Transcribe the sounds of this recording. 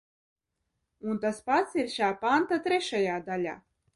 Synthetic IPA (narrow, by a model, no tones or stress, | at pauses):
unt̪aspat̪siɾʃaːpant̪at̪ɾʲɛʃajaːd̪alʲa̰ː